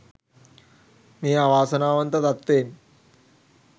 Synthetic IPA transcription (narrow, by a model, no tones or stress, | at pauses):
miːaʋaːsɐnaːʋɐnt̪ɐt̪ɐt̪ːeːn